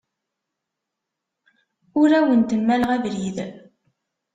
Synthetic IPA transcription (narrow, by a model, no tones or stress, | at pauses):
ʊɾæwənt̪əmːæləʁævɾið